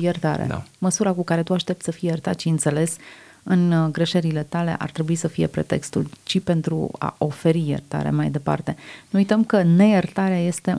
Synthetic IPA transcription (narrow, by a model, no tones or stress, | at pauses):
jert̪a̰ɾḛa̰məsuɾakukaɾe̞t̪uaʃt̪e̞pt̪səfijejert̪at̪ʃiɨnt̪se̞le̞s | ɨnɡɾe̞ʃe̞ɾile̞t̪ale̞̰ʔa̰rt̪ɾe̞buisəfije̞̰pɾe̞t̪e̞̰kst̪ult͡ʃipe̞nt̪ɾṵa̰ʔo̞fe̞ɾijḛrt̪a̰ɾe̞̰majd̪e̞pa̰rt̪e̞nuujt̪əmkəne̞jert̪aɾeaje̞st̪e̞